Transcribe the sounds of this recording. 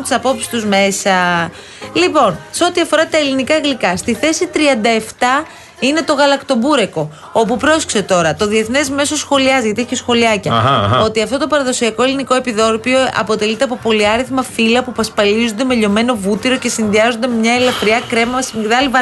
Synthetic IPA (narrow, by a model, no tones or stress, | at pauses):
nt̪isɐpo̞psi̥st̪uzme̞sɐ | lipo̞nseo̞t̪iɐfo̞ɾɐt̪ɐelinikɐɣlikɐst̪iθe̞sit̪ɾiɐnd̪ɐe̞ft̪ɐ | ine̞t̪o̞ɣɐlɐkt̪o̞buɾe̞ko̞ | o̞pupɾo̞skse̞t̪o̞ɾɐt̪o̞ðie̞θne̞zme̞so̞sxo̞liɐzʝɐt̪ieçesxo̞liɐcɐo̞t̪iɐft̪o̞t̪o̞pɐɾɐðo̞siɐko̞e̞liniko̞e̞piðo̞ɾpio̞ʔɐ̰po̞t̪e̞lit̪eɐpo̞po̞liɐɾiθmɐfilɐpupɐspɐlizond̪e̞me̞ʎo̞me̞no̞vut̪iɾo̞ce̞sinðiɐzo̞nd̪emɲɐelɐfɾiɐkɾe̞mɐɐsmiðɐlivɐ